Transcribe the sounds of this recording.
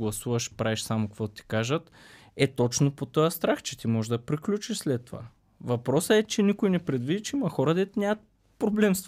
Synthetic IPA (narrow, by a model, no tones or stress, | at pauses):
ɡlˠɐsuvɐʃpɾaɛʃsamokɐkvɔt̪t̪i̥kaʒət̪ | ɛt̪ɔt͡ʃnopot̪ɔjəst̪ɾaxt͡ʃɛt̪imɔʒd̪ɐpɾiklʲut͡ʃiʃslɛt̪ːova̰ | vɐpɾɔsəɛt͡ʃɛnikojnɛpɾɛd̪vid̪it͡ʃɛimɐxɔɾəd̪ɛt̪nʲjamət̪̚ | pɾoblɛmst̪